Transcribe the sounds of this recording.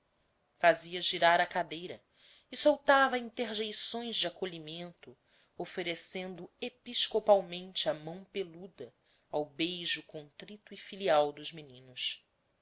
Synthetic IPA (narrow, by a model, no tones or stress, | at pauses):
faziɐʒiɾaɾɐkad̪ejɾɐ | ɪsowt̪avɐĩnt̪eɾʒejsõj̃zd͡ʒɪakoʎimẽnt̪ʊ | ofeɾesẽnd̪ʊepiʃkopawmẽnt͡ʃɪɐmɐ̃w̃pelud̪ɐ | awbejʒʊkõnt̪ɾit̪ʊifiliawd̪ʊʒminĩnʊs